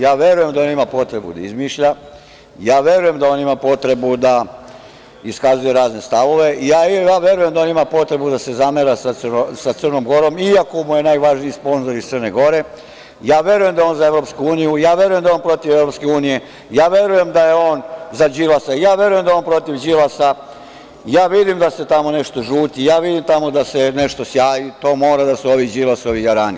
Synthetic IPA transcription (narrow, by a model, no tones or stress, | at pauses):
jaːʋje̞ɾuje̞md̪aoːnimapo̞t̪ɾe̞bṵd̪a̰izmiːʃʎa | jaːʋje̞ɾuje̞md̪ao̞ːnimapo̞t̪ɾe̞bud̪a | iskazuje̞ɾaːzne̞st̪aʋo̞ʋe̞ijaːaːʋje̞ɾuje̞md̪aonimapo̞t̪ɾe̞bud̪ase̞zameɾasasosat̪sərno̞mɡo̞ɾo̞miakomuje̞naːjʋaʒniispo̞nzoɾist̪srne̞ɡo̞ɾe̞ | jaːʋje̞ɾujemd̪ao̞ːnzaeʋɾo̞pskuuːnijujaːʋje̞ɾuje̞md̪ajoːnpɾo̞t̪iʋeʋɾo̞pske̞uːnije̞ | jaːʋje̞ɾuje̞md̪aje̞o̞ːnzad͡ʑilasaijaːʋje̞ɾujend̪ajonpɾo̞t̪iʋd͡ʑilasa | jaːʋid̪imd̪ase̞t̪amo̞ne̞ʃt̪o̞ʒuːt̪ijaːʋid̪imt̪amo̞d̪ase̞ne̞ʃt̪o̞sjaːjit̪oːmo̞ːɾad̪asuo̞ʋid͡ʑilasoʋijaɾaːni